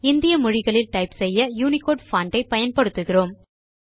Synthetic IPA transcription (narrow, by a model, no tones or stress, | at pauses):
ɪnd̪ɪjɐmʊɻɪɣɐɭɪlʈɐɪpsɛjːɐjuːnɪkoːɖfɐːɳɖɐɪpɐjɐnpɐɽɯt̪ːɯɣɪroːm